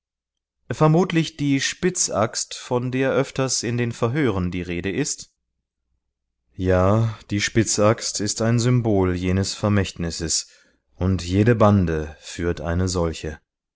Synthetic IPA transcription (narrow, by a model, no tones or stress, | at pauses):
fɛɐmuːtlɪçd̥iːʃpɪt͡sʔa̰kstfɔndeːɐʔœftɐsɪndeːnfɛɐɦøːʁəndiːʁeːdəʔɪst | jaːd̥iːʃpɪt͡sakstʰɪstaɪnzʏmboːljeːnəsfɛɐmɛçtnɪsəs | ʔʊntjeːɾəbandəfyːɐtʔa̰ɪnəzɔlçə